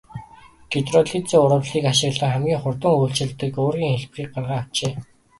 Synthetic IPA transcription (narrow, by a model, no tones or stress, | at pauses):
ɡ̥it̪rɔɮit͡sɘːʊɾə̆wɮiːkaʃɪ̆ɣɮə̆ŋχæmɡʲiːŋχʊrt̪ə̆ŋuːɬt͡ɕɪ̆ɮt̪ɘ̆koːrɣʲiːŋxeɮpriːk̚ɢarʁaːwt͡ɕeː